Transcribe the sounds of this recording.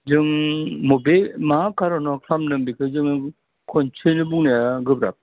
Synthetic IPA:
d͡ʒɯŋmubemakʰaɾɔnakʰamnɯmbikʰɯd͡ʒɯŋ | kʰɔnt͡ʃʰɯnɯbuŋnajaɡɯbɾa̰p̚

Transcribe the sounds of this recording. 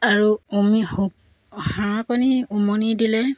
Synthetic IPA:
aɹuomihuk̚ | hãkɔniumɔnidilɛ

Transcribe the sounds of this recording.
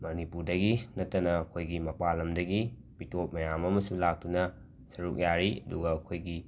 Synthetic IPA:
mɐnipuɾdɐɡinɐtːɐnɐɐkʰojɡimɐpalɐmdɐɡi | b̥itʰot̚mɐjamɐmɐsulak̚tunɐ | sɐɾuk̚jaɾiɐ̰duɡɐːkʰojɡi

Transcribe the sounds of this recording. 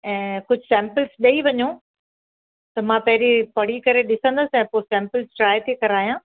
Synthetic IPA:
ɛ̃ːkʊd͡ʑʱɪsɛ̃ːmpɪlsɗɐiʋɐɲo | t̪ɐmãːpɐɦɪɾipɐɽ̤ikɐɾeɗɪsə̃nd̪əsɛ̃ːposɛ̃ːmpəlsʈɾaːɪt̪ʰekɐɾaːijãː

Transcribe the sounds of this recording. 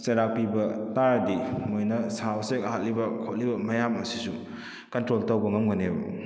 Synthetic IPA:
sɐɾak̚pibɐtaɾdimojnɐsawsekɐɦat̚libɐkʰot̚libɐmɐjamɐsi̥su | kɐntɾoltɐwbɐŋɐmɡɐnebṵ

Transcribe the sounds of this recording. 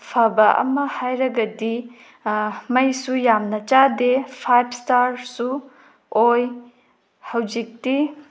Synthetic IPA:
pʰɐbɐʔɐ̰mɐhajɾɐɡɐdi | mɐjsujamnɐt͡ʃadepʰajb̚staɾsu | oj | hɐwd͡ʒik̚ti

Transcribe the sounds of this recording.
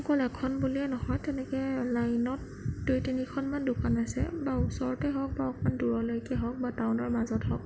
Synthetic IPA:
kɔlɛkʰɔnbuliɛnɔhɔjtɛnɛkɛlajnɔt̚ː | ojtinikʰɔnmandʊkanasɛ̰bausɔɹɔtɛɦɔk̚baɔkmanduɹɔlojkɛɦɔk̚batawnɔɹmazɔthɔk̚

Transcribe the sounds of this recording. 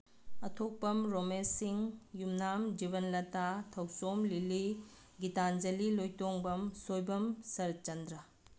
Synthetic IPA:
ɐtʰok̚pɐmɾomesiŋjumnamd͡ʒiβɐnlɐtatʰɐwsomlili | ɡitand͡ʒɐlilojtoŋbɐmsojbɐmsɐɾt͡ʃɐndɾɐ

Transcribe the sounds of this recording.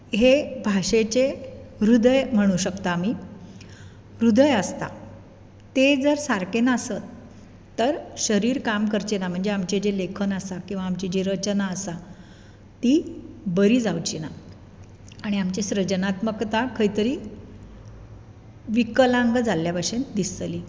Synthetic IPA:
ɦebʱaʂet͡ɕeɾud̪əjm̤əɽ̃uɕəkt̪aːmiː | ɾud̪əjəst̪a̰ | t̪ed͡zəɾsaɾkenəsət̪ː | əɾɕəɾiːɾkamkəɾt͡ɕenam̤əɳd͡zeamt͡ɕed͡ʑelekʰənəsakĩw̃ʋaːmt͡ɕid͡ʑeɾət͡ɕənaəsa | t̪ibəɾiːd͡zawt͡ɕina | aɽ̃iamt͡ɕeɕɾəd͡ʑənat̪məkt̪akʰəit̪əɾiː | ʋikəlãŋɡd͡zaljabaɕend̪ist̪li

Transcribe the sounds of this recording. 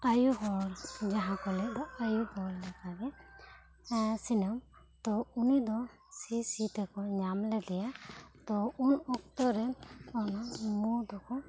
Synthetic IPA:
ajuɦɔɾd͡ʒaɦãkɔlɛʔd̪ɔajuhɔɾlɛkaɾɛ | sinəm | t̪ɔunid̪ɔ | sisit̪ɛkɔɲamlɛd̪ɛjat̪ɔunɔk̚t̪ɔɾɛnɔnamud̪ɔkɔ

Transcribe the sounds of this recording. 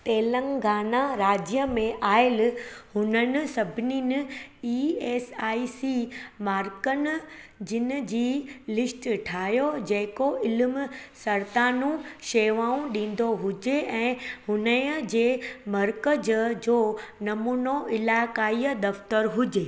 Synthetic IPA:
t̪eːlə̃ŋɡʱaːnaɾaːd͡ʑjəmẽʔaːɪlhʊnənɪ̆sɐbʱɪninɪ̆iːeːsaːisimaːɾkənɪ̆d͡ʑɪn̆d͡ʑiːlɪsʈʈʰaːɦjod͡ʑɐ̃ɦɪ̃koʔɪlmsɐɾt̪aːnũʃeːʋaːũɗĩːn̆d̪oɦʊd͡ʑeʔɛ̃ːhʊnəjəd͡ʑeːmɐɾkəd͡ʑd͡ʑoːnɐmuːnoʔɪlaːkaːiːəd̪ɐft̪əɾɦʊd͡ʑeː

